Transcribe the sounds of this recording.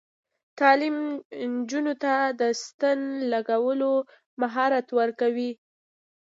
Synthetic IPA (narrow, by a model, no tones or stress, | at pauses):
t̪ɑlimnd͡ʒunot̪ad̪əst̪anlaɡawəlo | maɦɑɾat̪wəɾkawi